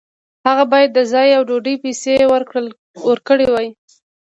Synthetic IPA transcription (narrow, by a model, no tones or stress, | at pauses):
haɣabɑjad̪ːəzɑjawɖoɖəjpesewəɾkɽəl | əɾkəɽewɑji